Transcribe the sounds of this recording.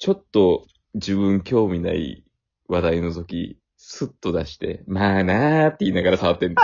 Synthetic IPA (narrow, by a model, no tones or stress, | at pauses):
t͡ɕo̞t̪ːo̞ | d͡ʑɨβɯ̟̃ŋkʲo̞ːmʲina̰ḭ | βad̪aino̞t̪o̞kʲḭ | sɨt̪ːo̞d̪aɕi̥t̪e̞̰maːnat̪ːe̞iːnaɡaɾasaβat̪ːe̞n